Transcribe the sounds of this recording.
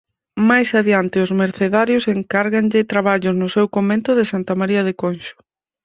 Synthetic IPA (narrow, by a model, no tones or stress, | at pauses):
majsaðjant̪ɪʊzmeɾθeðaɾjoseŋkaɾɣanʎɪt̪ɾaβaʎʊsnʊsɛwkomẽnt̪ʊðɪsant̪amaɾiɐð̞ekonʃʊ̥